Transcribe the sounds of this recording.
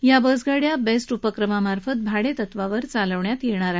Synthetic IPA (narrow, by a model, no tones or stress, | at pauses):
jabəd͡zɡaɽjabesʈupəkɾəmamaɾfət̪̚bʱaɽet̪ət̪ʋaʋəɾt͡saləʋɳjat̪jeɽ̃aɾaɦ